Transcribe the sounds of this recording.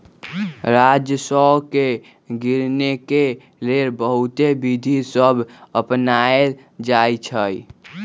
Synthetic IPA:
ɾad͡ʒjəsəke | ɡiɾneke | leɾbəɦut̪ebid̪ʱisəbʱəpnae | d͡ʒajt͡ʃʰəj

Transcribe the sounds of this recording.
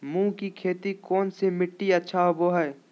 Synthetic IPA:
mũːkikʰeːt̪ikɔːnsemɪʈːiɐtːʃʰaɦoboɦɛː

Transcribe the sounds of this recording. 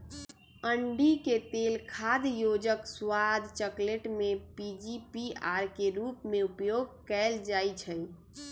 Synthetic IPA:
əɳɖiket̪elkʰad̪jod͡ʒəkswad̪ʱt͡ʃəkleʈmepid͡ʒipiaɾkeɾupmeupjoɡ̚kɛld͡ʒajt͡ʃʰəj

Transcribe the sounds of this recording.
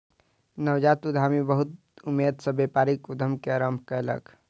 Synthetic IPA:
nəwd͡ʒat̪ud̪ʱamibəɦut̪ | umːed̪sə̃bepaɾikud̪ʱəmkeəɾəmbʱkələ̰k

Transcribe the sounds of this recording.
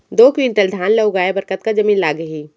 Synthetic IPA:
d̪oːkʋiɳʈəld̪ʱaːnləɡaːebəɾkət̪kad͡ʒəmiːnlaːɡəɦiː

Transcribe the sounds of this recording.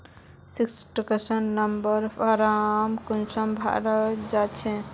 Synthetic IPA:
siksʈkəsənːəmbəɾfʰaɾamkunsəmbʱa̰ɾəd͡ʒat͡ʃʰɛ

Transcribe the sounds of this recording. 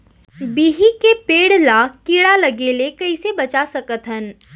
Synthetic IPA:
biːɦikepeːɽlakiːɽalɐɡeːlekɐisebɐt͡ʃasɐkət̪ɦən

